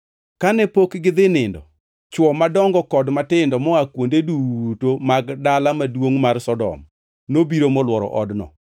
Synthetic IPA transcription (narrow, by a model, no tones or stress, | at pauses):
kanɛpokɡɪd̪ɪnɪndɔ̰ | t͡ʃwɔmadɔŋɡɔkɔdmatɪndɔmɔakwondeduwutomaɡdalamadwoŋmarsɔdɔ̰m | nobiɾomɔlwɔɾɔ̰ʔɔ̰dnɔ̰